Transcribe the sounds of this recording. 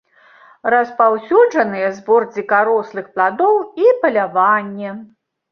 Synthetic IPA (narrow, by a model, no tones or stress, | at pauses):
rɐspawsʲud͡ʐɐnɨjɛzbɔrd͡zʲikaɾɔslˠɨxplˠad̪ɔwipɐlʲavanʲːɛ